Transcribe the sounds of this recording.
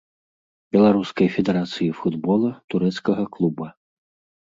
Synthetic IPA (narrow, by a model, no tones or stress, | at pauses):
bʲɛlˠaɾuskɐjfʲɛd̪ɛɾat̪sɨjifud̪bɔlˠɐt̪uɾɛt̪skɐɣɐklˠubɐ